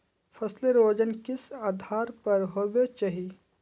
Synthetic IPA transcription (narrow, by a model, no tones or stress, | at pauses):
pʰɐsleɾoːd͡ʒənkɪsaːd̪ʱaːɾpɐɾɦobet͡ʃaɦi